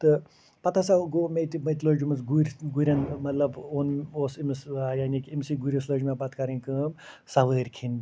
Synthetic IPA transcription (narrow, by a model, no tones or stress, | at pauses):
t̪ɨ | pɐt̪ʰasaɡomet̪mɐt̪loːd͡ʒumɐsɡuɾʲɡuɾʲɐnmɐt̪lɐboːnoːsimɨsjaːnikimsiɡuɾʲisloːd͡ʒmʲabaːt̪kɐɾinʲkɨːm | sɐʋəːɾʲkʰin